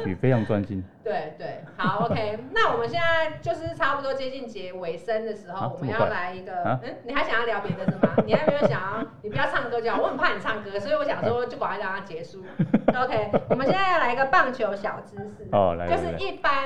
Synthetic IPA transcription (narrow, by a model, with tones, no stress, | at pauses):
pḭ˨˩fe˥ɪʈ͡ʂʰɑ˧˥ŋt͡swa˦nɕi˥nt̪we˥˩ɪt̪we˥˩ɪha˨˦ʊo˧˥ʊkʰe˥ɪna˥˨wɔ˨˩mə˦nɕjɛ˥˧nd͡za˥˧˩ɪt͡ɕjo˥˧ʊʂ̬ɻ̩˥˩ʈ͡ʂʰa˥pu˨˩t̪wɔ˥t͡ɕjɛ˥t͡ɕi˥˩nt͡ɕjɛ˧˥we˧˥ɪsə˦nd̪ə˨ʂɻ̩˧˥xo˥˨wɔ˨m˦jɑ˥˩ʊla˧˥ɪi˧˥ɡə˧˦˥ni˨xa˧˥ɕjɑ˨ŋjɑ˥˩ljɑ˧˥ʊpjɛ˨˧˩d̪ə˨sə˧˩ma̰˨˩ni˨˩a˧˥ɪme˩e˥jo˧˩ɕja˨˩ŋ˥˩i˨pu˧˥t͡ɕjɑ˥˧t͡sʰɑ˥˩ŋkɤ˥t͡ɕjɑ˥˩˨wɔ˧˥˩ə˨˩pʰa˥˩ə˨˩ɑ˥˩ŋkɤ˥swɔ˧˥i˨wɔ˧˦ɕjɑ˨˩ŋswɔ˥t͡ɕjo˥˩ʊkwa˨˩a˧˥˩a˧˩t̪a˥˩t͡ɕjɛ˧˥ʂu˥˩o˧˦ʊkʰe˦ɪwɔ˨mə˦sjnt͡sa˥˧jɑ˥˩ʊla˧˥i˧ɡə˧˨˧pɑ˥˩ŋt͡ɕʰjo˧˥ʊɕjɑ˨˩ʊʈ͡ʂ̩˥ʂ̩˥˩ɔ˧˩la̰˨˥t͡ɕo˥˧ʊʂ̩˥˧i˥˩pa˦n